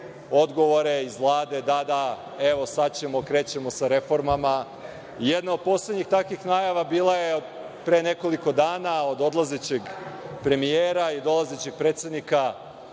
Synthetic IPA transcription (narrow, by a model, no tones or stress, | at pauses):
o̞d̪ɡo̞ʋo̞ɾe̞izʋlˠaːd̪e̞d̪ad̪a | eʋo̞sat͡ɕe̞mokɾe̞ːt͡ɕe̞mo̞saɾe̞fo̞ɾmama | ijed̪naod̪̚po̞ːsle̞d̪ɲixt̪akʋixnajaʋabiːlˠajeod̪ | pɾene̞ko̞liko̞d̪aːnao̞d̪o̞d̪lazet͡ɕeɡpɾe̞mijeːɾaid̪o̞lˠazet͡ɕe̞ɡ̚pɾe̞ːt̪se̞d̪nika